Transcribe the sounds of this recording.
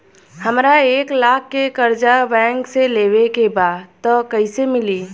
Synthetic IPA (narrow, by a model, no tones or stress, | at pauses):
hɐmɾaeːklaːkʰːekɐɾd͡ʒabɛ̃ːŋkseleːwekebaːdt̪ɔkɐɪsemɪliː